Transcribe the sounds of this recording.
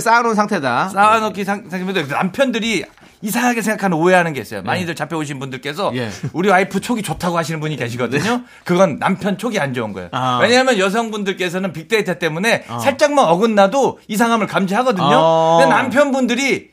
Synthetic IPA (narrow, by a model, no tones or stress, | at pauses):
s͈anonsʰaŋtʰedas͈anʌkʰissʰaŋʰmtna̰mpʰjʌndɯɾi | isʰaŋɦaɡesʰeŋɡakʰanɯnoeɦanɯnɡe̞is͈ʌjo̰maɲidɯɭt͡ɕapʰeoɕ̬ʰinbundɯɭk͈e̞sʰʌuɾiaipʰɯt͡ɕʰoɡit͡ɕotʰaɡohaɕʰinɯnbuɲike̞ɕʰiɡʌdɯɲo | kɯɡʌnːa̰mpʰjʌnt͡ɕʰoɡiand͡ʑʌunɡʌ̰ḛjo̰we̞ɲaɦamjʌnjʌs̬ʰʌŋbundɯɭk͈e̞s̬ʰʌnɯnpik̚t͈eitʰat͈e̞mune̞sʰaɭt͡ɕ͈aŋmanʌɡɯnːadoisʰaŋɦamɯɭkamd͡ʑiɦaɡʌdɯɲoenampʰjʌnbundɯɾi